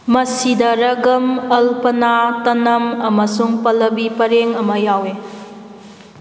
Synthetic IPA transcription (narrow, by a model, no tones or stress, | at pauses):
mɐsidɐɾɐɡɐmɐlpɐnatɐnɐmɐmɐsuŋpɐlɐbipɐɾeŋɐmɐjawe